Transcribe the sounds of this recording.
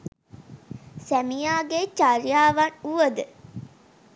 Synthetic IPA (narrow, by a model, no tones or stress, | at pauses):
sæmijaːɡet͡ʃaɾijaːʋanuʋəd̪ə